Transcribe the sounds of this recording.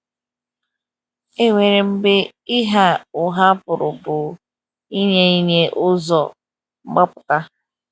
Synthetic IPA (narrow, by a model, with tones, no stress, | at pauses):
e˦ŋʷe˨ɾe˨m̩˦bɪ˦ | i˦ɦa˦ʊ˨ɦa˦pʊ˨ɾʊ˨bʊ˨ | i˦ɲe˦i˦ɲe˦ʔʊ˦zɔ˨ | ŋ͡m̩˦ɡ͡ba˦pʊ̥˨ka˦